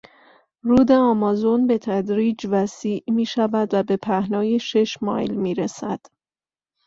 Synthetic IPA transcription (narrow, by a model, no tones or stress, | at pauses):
ruːd̪e̞ɒmɒːzo̞nbe̞t̪ʰæd̪ɾiːd͡ʒvæsiːʔmiːʃævæd̪væbe̞pʰæhnɒːje̞ʃe̞ʃmɒ̰ːjlmiːɾesæd̪̥